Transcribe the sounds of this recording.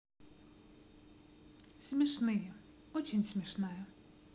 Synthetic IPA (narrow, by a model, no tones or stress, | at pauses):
sʲmʲiʃnɪjɛ | ɔt͡ʃʲinʲsʲmʲiʃnɑjɛ